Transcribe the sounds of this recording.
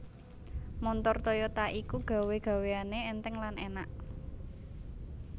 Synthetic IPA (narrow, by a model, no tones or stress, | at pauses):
mɔnt̪ɔrt̪ɔjɔt̪aʔikuɡ̥a̤weɡ̥a̤weaneɛnt̪ɛŋlanʔenaʔ